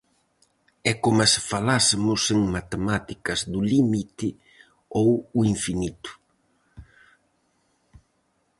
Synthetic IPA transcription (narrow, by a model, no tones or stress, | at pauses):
ɛkomɐsfalasemʊseŋmat̪emat̪ikɐzðʊlimit̪ɪ | owuiɱfinit̪ʊ̥